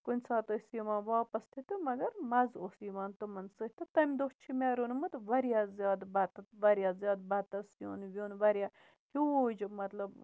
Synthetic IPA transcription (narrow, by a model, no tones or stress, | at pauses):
kunʲsaːt̪osiːmaːnʋaːpɐst̪ʰit̪ɨmɐɡɐɾmɐzosiːmaːnt̪ɨmɐnsɨhʲt̪ɨt̪ɐmʲd̪oːt͡ʃʰimeːɾonmɨt̪ʋɐɾjaːzjaːd̪bɐt̪ɐt̪ʋɐɾʲjaːzjaːd̪̚bɐt̪ɐsjoːnʋʲjoːnʋɐɾʲjaː | kʲud͡ʒmɐt̪lɐb